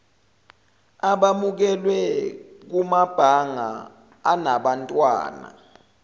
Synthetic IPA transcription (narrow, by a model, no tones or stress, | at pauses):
aɓamuk̬ɛlwɛk̬umab̥ʱaŋa̰ː | naɓantʼwa̰ːna̰